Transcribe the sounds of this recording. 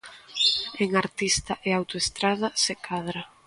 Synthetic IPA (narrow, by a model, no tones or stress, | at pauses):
eŋaɾt̪ist̪ɐʔeawt̪oest̪ɾaðɐsekaðɾa